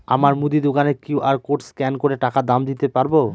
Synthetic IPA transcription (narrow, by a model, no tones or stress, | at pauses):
amaɾmud̪id̪okanekiuʔaɾkoʈskɛnkoɾeʈakad̪amd̪it̪epaɾbo